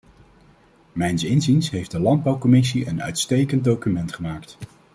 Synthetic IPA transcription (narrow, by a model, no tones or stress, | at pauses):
mɛjnsɪnzinsɦejfdəlɑnd̚bɑwkɔmɪs̬iənœ̰ɥtstejkəndowkymɛntχəmaːkt